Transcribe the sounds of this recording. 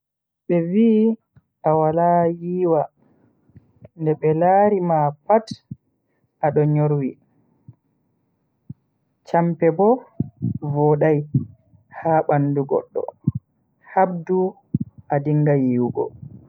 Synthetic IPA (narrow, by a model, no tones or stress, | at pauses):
ɓɛviː | ʔawalajiːwa | ndɛɓɛlaːɾimapat | ʔaɗɔɲoɾwi | t͡ʃampɛbɔ | vɔɗaj | haːɓanːduɡɔ̰ɗːɔ̰ | hab̚du | ʔadiŋɡajiːwɡɔ̰